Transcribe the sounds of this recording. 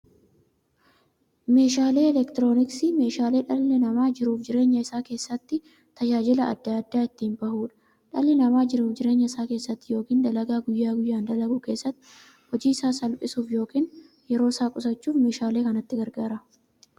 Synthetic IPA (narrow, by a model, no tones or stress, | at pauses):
me̞ːʃaːle̞ːlɛkt̪ɪɾo̞ːnɪksime̞ːʃaːleːᶑɐlːɛnɐmaːd͡ʒɪɾuːfd͡ʒɪɾe̞ːɲːɐɪsaːke̞ːsːɐt̪ːɪ | t̪ɐd͡ʒaːd͡ʒɪlɐɐ̰d̪ːaːd̪ːaːɪt̪ːiːmbɐhuːᶑɐ̥ | ᶑɐlːɛnɐmaːd͡ʒɪɾuːfd͡ʒɪɾe̞ːɲːɐɪsaːke̞ːsːɐt̪ːɪjo̞ːkiːnd̪ɐlɐɡaːɡʊjːaːɡʊjːaːnd̪ɐlɐɡʊke̞ːsːɐt̪ː | hɔd͡ʒiːɪsaːsɐlpʼɪsuːfjo̞ːkiːn | jɛɾo̞ːɪsaːkʼʊsɐt͡ʃːuːfme̞ːʃaːle̞ːkɐnɐt̪ːɪɡɐɾɡaːɾɐ